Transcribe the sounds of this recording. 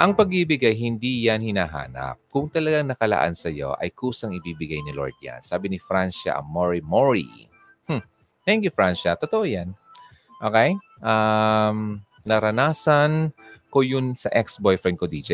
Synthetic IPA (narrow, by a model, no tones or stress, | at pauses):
ʔɐŋpɐɡ̚bibɪɡajɦɪnd̪ijanhɪnaːɦa̰ːnɐ̰p̚kʊŋt̪ɐlɐɡaŋnɐkɐla̰ʔa̰nsɐjo̞̰ʔɐ̰jkuːsɐŋɪbiːbɪɡajnɪlo̰ɹd̪̚ja̰nsaːbɪnɪfɾanʃɐ̰ʔɐ̰moɹimoɹḭ | h̩ | t̪ɛŋkjufɹanʃɐt̪ot̪oʔojan | ʔoːkɛj | ʔam | nɐɾɐnaːsɐnkojʊnsɐʔɛksbojfɹɛn̚kod̪iːd͡ʒɛ